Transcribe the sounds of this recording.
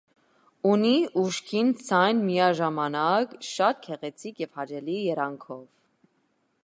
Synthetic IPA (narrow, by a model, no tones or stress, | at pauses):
uniʔuʃkʰint͡sʰɑjnmijɑʒɑmɑnɑkʃɑt̪̚kʰɛʁɛt͡sʰikjɛv̥hɑd͡ʒɛlijɛɾɑŋkʰɔv